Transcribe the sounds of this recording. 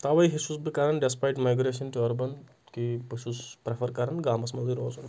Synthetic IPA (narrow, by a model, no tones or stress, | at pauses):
t̪ɐʋɐjɦisusbikɐɾɐnɖɛspajʈmajɡɾeːʃɐnʈuɐɾbɐn | kibisuspɾefʰɐɾkɐɾɐnɡaːmɐsmɐziɾoːzun